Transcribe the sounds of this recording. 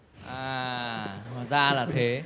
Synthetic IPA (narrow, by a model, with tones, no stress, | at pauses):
ʔaː˨˩ | maː˨˩zaː˧laː˨˩t̪ʰe˨˦